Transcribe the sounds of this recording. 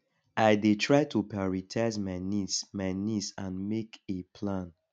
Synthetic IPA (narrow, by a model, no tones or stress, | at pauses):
aɪdetʰɹaɪtʰupajɔɹitʰaɪzmaɪnismaɪnisãnmekepʰlãn